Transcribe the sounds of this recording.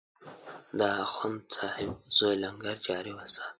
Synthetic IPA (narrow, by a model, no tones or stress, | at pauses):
d̪aaxʊnt͡sɑːhɪbz̥ojlaŋɡaɾd͡ʒɑːɾiwasɑ̥ːt̪̚